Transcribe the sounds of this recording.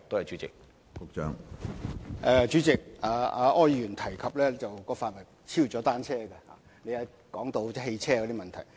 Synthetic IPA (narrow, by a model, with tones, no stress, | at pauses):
t̪o˥hɐ˨jt͡ʃyː˨˦t͡sɪ˨k̚ | kʊ˧k̚t͡ʃœ̰ː˧˥ŋ | ʔɛ˧t͡ʃyː˨˥t͡sɪ˨k̚aː˨˧aː˨˧ʔɔː˥jːyː˨˩nt̪ʰɐ˨˩jkʰɐ˨p̚lɛː˥t͡sɐ˨wkɔː˧faː˧˨t̚wɐ˨˩ | t͡sʰiː˥wt͡ʃɔː˨˥t̪aː˥nt͡sʰɛː˥˧ɡɛ˧ha̰ː˨ | ne˨˧jɐː˨˧ | kɔː˨˥ŋt̪o˧wt͡sɛ˥he˧jt͡sʰɛː˥kɔː˨˧˥t̪iː˥mɐ˨nt̪ʰɐ˨˩j